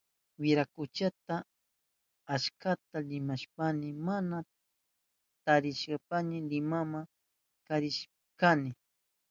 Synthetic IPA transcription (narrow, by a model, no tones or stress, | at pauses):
wɪɾakʊt͡ʃat̪a | aʃkat̪alɪmaʃpanɪmana | t̪aɾɪʃɢɑpanɪɾɪmama | kaɾɪʃ | kanɪ